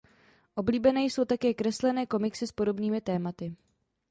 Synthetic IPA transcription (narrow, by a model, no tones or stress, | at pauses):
ʔo̞bliːbɛnɛːjso̞wt̪akɛːkɾɛslɛnɛːko̞mɪksɪspo̞do̞bniːmɪt̪ɛːmat̪ɪ